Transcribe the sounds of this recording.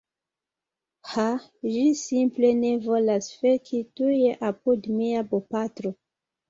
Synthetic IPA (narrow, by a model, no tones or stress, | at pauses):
ha | ʒisimple̞ne̞vo̞lasfekʰituje̞ʔapudmiabopatɾo̞